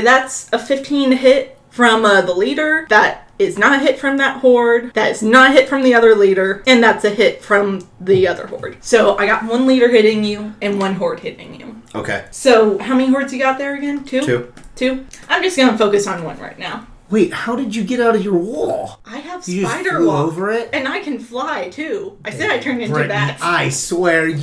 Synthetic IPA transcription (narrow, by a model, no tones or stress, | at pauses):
ðætsəfɪftʰĩnɦɪt̚ | fɹʌ̃mðəliɾə˞ðəɾɪznəɾɨɦɪtfɹʌ̃mðət̚hɔɹd̚ðɨɾɨznəɾɨɦɪtfɹʌ̃mðiʌðə˞liɾə˞ɨ̃nðætsɨhɪtfɹʌ̃mðiʌðə̰˞hɔ̰ɹd̥soʊʔaɪɡɑt̚wʌ̃nliɾə˞ɦɪɾɪ̃ŋjʉɨ̃nwʌ̃nɦɔɹd̚hɪɾɪ̰̃ŋjʉ̰ʔo̰ʊkʰḛɪsoʊhaʊmɛniɦɔɹdzjɨɡɑt̪̚ðə˞ɨɡɛ̃ntʰʉtʰʉãɪ̃md͡ʒʌsɡ̥ʌ̃nəfoʊkɨsn̩wʌ̰̃nɹa̰ɪtⁿnaʊ | weɪt̚haʊɾɨd͡ʒɨɡɛɾaʊɾʌvjə˞wɔlˠʔaɪəv̥sɨaɪɾə˞oʊvə˞ɪt̚ɨ̃naɪkʰɨ̃nflaɪtʰʉʔaɪsɛɾaɪtʰɜ̃˞ndɪ̃tʉðæaɪswɛɹ